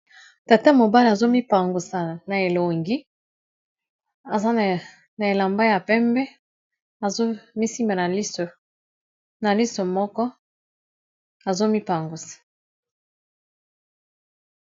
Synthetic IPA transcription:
ta˨ta˦mo˨ba˦la˨zo˦mi˦pa˨ŋɡu˨sa˨na˨e˨lo˨ŋɡi˦ | a˨za˦n˨ | na˨e˨la˨mba˦ja˨pɛ˦mbɛ˦ | a˨zo˦mi˦si˦mba˨na˨li˦so˨ | na˨li˦so˨mɔ˦kɔ˦ | a˨zo˦mi˦pa˨ŋɡu˨sḁ˨

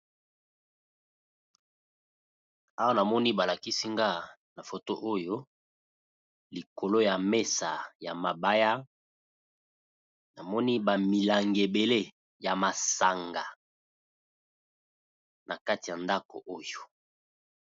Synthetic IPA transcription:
a˦wa˦na˨mɔ˦ni˦ba˨la˨ki˦si˦ŋɡa˦˨ | na˨fo˨to˦ʔo˦jo˦ | li˨ko˨lo˦ja˨me˦sa˨ja˨ma˨ba˦ja˦ | na˨mɔ˦ni˦ba˨mi˨la˨ŋɡe˨be˨le˦˨ | ja˨ma˨sa˨ŋɡa˨ | nʔa̰˨ka˦ti˨ja˨nda˦ko̰˨ʔo˦jo˨

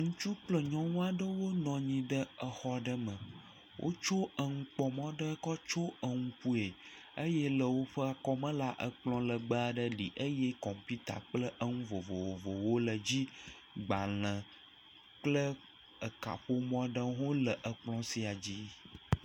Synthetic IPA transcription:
ŋũ˦t͡ʃu˦k͡plə˦ɲɔ̃˦wũ˦a˨ɖə˦wo˦nɔ̃˨ɲĩ˨ɖə˦ə˨xɔ˦ɖə˦mə̃˨ | wʔo̰˦t͡ʃo˦ə˨ŋũ˦k͡pɔ˨mɔ̃˦ɖə˦kɔ˦t͡ʃo˦ə˨ŋũ˦ku˦e˨ | ə˦je˦lə˨wo˦ɸə˦a˨kɔ˦mə̃˦la˦ʔə˨k͡plɔ̃˦lə˨ɡ͡bə˦a˨ɖə˦li˨ʔə˦je˦kɔ˨m˨pi˦t̪a̰˨k͡plə˦ʔə˦ŋũ˦vo˨vo˨wo˨vo˨wo˦lə˨d͡ʑi˦ | ɡ͡ba˨l̃ə̃˨ | k͡plə˦ | ə˨ka̰˨ɸo˦mɔ̃˦ɖə˦ɦo˦lə˨ʔə˨k͡plɔ̃˦si˨a˨d͡ʑi˦

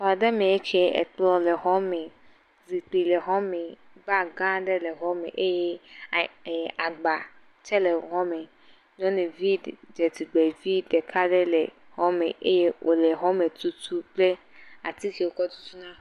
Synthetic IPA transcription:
o˨a˨ɖɛ˦mẽ˨e˦t͡ʃi˦e˦ʔɛ̰˨k͡plɔ˦le˨ɦɔ˦mẽ˨ | zi˨k͡pli˨le˨ɦɔ̃˦me˨ | ba˦ɡã˦ɖɛ˦le˨ɦɔ˦mḛ˨ʔe˦je˦˨ | a˨ɡ͡ba˨ | t͡ʃɛ˦le˨ɦɔ̃˦me˨ | ɲɔ̃˦ne˨vi˦d͡ʒe˨t̪i˨ɡ͡be˨vi˦ɖɛ˨kʰa˦ɖɛ˦le˨ | hɔ˦mḛ˨ʔe˦je˦wʔo˨le˨ɦɔ˦me˨t̪u˦t̪ʰu˦k͡ple˦ | a̰˨t̪i˦ki˨wo˨kɔ˦t̪u̥˦t̪u˦nã˦

